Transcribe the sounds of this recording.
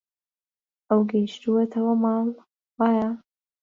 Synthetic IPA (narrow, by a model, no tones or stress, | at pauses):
ʔɐwɡɐjʃt̪uwɐt̪ʰɐwɐmɑːn | waːja